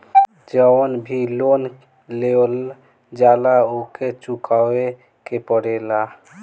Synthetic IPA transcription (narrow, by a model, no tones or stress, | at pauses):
d͡ʒəwnbʱilon | lel | d͡ʒalaoket͡ʃukawe | kepəɽela